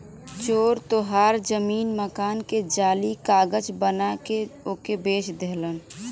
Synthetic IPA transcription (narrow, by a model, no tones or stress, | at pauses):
t͡ʃoːɾt̪oɦaːɾd͡ʒəmiːnməkaːnked͡ʒaːlikaːɡəd͡ʒbənakeoːkebeːʃd̪eɦlən